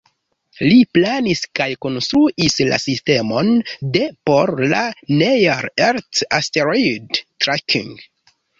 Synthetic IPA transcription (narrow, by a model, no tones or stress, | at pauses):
liplaniskajko̞nstɾuʔisla̰siste̞mo̞nde̞po̞ɾla̰nejaɾeɾtasteɾojdtɾakʰḭŋɡ